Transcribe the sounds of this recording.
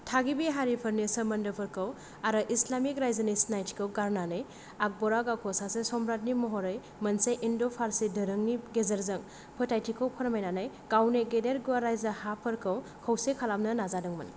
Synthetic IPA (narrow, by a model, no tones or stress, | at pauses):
tʰaɡibiɦaɾipʰɐɾnisɐmɐndɯpʰɯɾkʰɐw | aɾɯʔislamik̚ɾajzɐnisnajtʰi̥kʰɯwɡaɾnanɯj | ak̚bɔɾaɡakʰɔsasesɔmbɾat̚nimɔɦɔɾɯj | mɐnseʔindopʰaɾsidɯɾɯŋniɡezɐɾzɐŋ | pʰɯtajtʰikʰəwpʰɐɾmajnanaj | ɡ̥awneɡedeɾɡuaɾajzahapʰɐɾkʰɐwkʰɐwsekʰalamnɐnazadɯŋmɐn